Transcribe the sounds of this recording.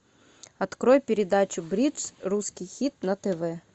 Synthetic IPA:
ɐt̪kɾojpʲɪɾʲɪd̪at͡ɕʊbɾʲit̪sruskʲijxʲit̪̚nɐt̪ɛvɛ

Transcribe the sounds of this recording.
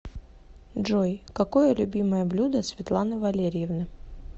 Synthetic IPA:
dʐojkɐkojəlʲʉbʲiməjəblʲud̪əsvʲɪt̪lˠanɨvɐlʲeɾʲɪjɪvnɨ

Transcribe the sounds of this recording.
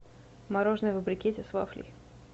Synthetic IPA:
mɐɾoʐnɨjvəbɾʲɪkʲetʲɪsva̰flʲḭ

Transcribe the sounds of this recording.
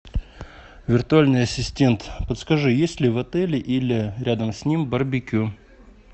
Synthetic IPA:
vʲɪrt̪ʊalʲnɨjɐsʲɪsʲtʲe̞nt̪pət̪skɐʐɨjesʲlʲɪvɐt̪ɛlʲɪʔilʲɪɾʲad̪əmsʲnʲimbɐrbʲɪkʲu

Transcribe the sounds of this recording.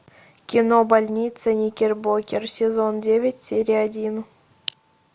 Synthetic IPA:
kʲinobalʲnʲit̪t͡sənʲikʲerʲbokʲersʲezondʲeʋʲetʲsʲeɾʲiadʲin

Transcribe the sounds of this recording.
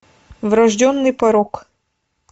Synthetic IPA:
vɾɐʐdʲɔnːɨjpɐɾɔk

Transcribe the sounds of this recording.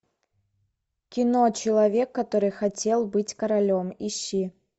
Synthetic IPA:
kʲinɔt͡ɕɪlˠɐvʲɛkːɐt̪ɔɾɨjxat͡sʲelˠbɨt͡sʲkɐɾalʲɔmiɕːi

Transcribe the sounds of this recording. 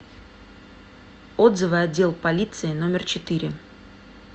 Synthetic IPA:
o̞d̪zɨvɨɐdʲːe̞lˠpɐlʲit̪sɨɪno̞mʲɪrt͡ɕɪt̪ɨɾʲɪ

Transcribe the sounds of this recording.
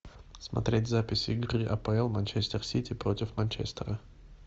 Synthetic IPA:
smɐ̰t̪ɾʲetʲzapʲɪsʲɪɪɡɾɨʔɐpəɛlˠmanʲt͡ɕesʲt̪ʲərsʲitʲɪpɾo̞tʲɪfmɐnʲt͡ɕɛ̰sʲt̪əɾə

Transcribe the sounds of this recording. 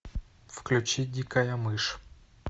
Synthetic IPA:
fklʲʊt͡ʃidʲikɐjɐmɪʃ

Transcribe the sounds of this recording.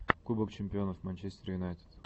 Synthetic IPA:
kubəkt͡ɕɪmʲpʲɪo̞nəfmɐnʲt͡ɕesʲtʲɪɾjʊnajt̪ʲɪ̥t̪

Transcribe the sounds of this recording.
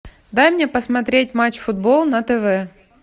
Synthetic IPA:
d̪ajmnʲepəsmɐt̪ɾʲet̚ʲmat͡ɕfʊd̪̚bolˠnɐt̪ɛvɛ

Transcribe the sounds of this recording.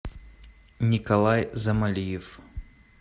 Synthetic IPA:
nʲikɐlˠajzɐmalʲijɪf

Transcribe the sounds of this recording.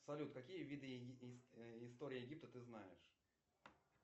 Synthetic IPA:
sɐlʲut̪kɐkʲijəvʲid̪ɨ | ɪst̪o̞ɾʲɪəjɪɡʲip̚t̪ət̪ɨznajɪʂ

